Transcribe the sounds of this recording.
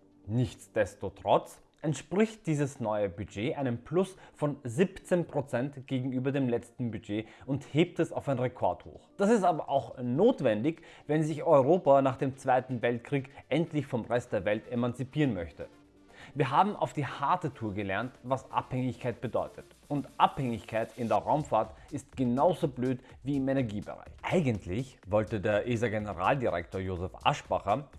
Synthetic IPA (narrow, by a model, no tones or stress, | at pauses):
nɪçt͡sd̥ɛstotʁ̥ɔt͡s | ʔɛntʃpʁ̥ɪçt̚d̥iːzəsnɔʏəbyd͡ʒeːʔaɪnənpʰlʊsfɔnzipt͡senpʁ̥ot͡sɛntɡ̥eːɡŋ̩yːbɐdeːmlɛt͡stn̩byd͡ʒeːʊntheːp̚tɛsaʊfaɪnʁekʰɔɐtho̰ːxd̥asɪstaːbɐʔa̰ʊxnoːtv̥ɛndɪç | vɛnzɪçɔʏʁoːpanaːχd̥eːmt͡sv̥aɪtn̩vɛlt̚kʁ̥iːkʔɛntlɪçfɔmʁɛst̚d̥eːɐvɛltemant͡sipʰiːʁənmœçtə | viːɐɦaːbm̩ʔa̰ʊfd̥iːhaɐtətʰuːɐɡəlɛɐntvasʔa̰phɛŋɪçkʰaɪt̚b̥ədɔʏtʰət | ʊntʔaphɛŋɪçkʰaɪtɪndeːɐʁaʊmfaːɐtɪstɡ̥ənaʊzoːbløːtviːɪmenɛɐɡiːbə̰ʁa̰ɪçʔaɪɡəntʰlɪçvɔltədeːɐʔeːzɐɡenəʁa̰ːldiʁɛ̰ktoːɐjoːzɛfʔa̰ʃb̥a̰χɐ